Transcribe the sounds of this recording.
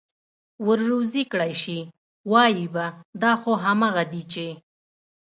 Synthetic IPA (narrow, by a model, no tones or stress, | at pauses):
wəɾːozikɽajʃi | wɑjibad̪ɑxoɦamɑɣad̪it͡ʃe